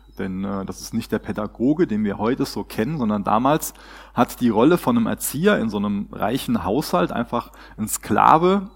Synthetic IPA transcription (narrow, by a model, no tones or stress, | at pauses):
d̥ɛnʔɛːd̥asɪ̥stnɪçtd̥eːɐpʰɛdaɡoːɡədeːnviːɐhɔʏtəz̥oːkʰɛnənzɔndɐnda̰ːmaːls | hatd̥iːʁɔləfɔnəmʔɛ̰ɐt͡siːɐɪ̰nzoːnəmʁa̰ɪçn̩ɦaʊshaltʔa̰ɪnfaχ | ʔɪnskla̰ːvə